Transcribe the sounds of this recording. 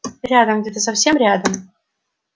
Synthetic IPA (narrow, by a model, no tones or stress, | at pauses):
ɾʲad̪əmɡdʲet̪əsɐfsʲe̞mɾʲad̪əm